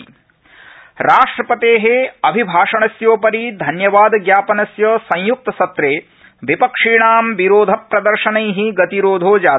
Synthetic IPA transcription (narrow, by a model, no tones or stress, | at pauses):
ɾaːʂʈɾɐpɐt̪eːɦeɐbʱibʱaːʂɐɳɐsjoːpɐɾid̪ʱɐnjɐʋaːd̪ɡjaːpɐnɐsjɐsɐ̃j̃juk̚t̪ɐsɐt̪ɾeː | ʋipɐkʂiːɳaːmʋiɾoːd̪ʱɐpɾɐd̪ɐɾʃɐnɐjɦiɡɐt̪iɾoːd̪ʱoːd͡ʒaː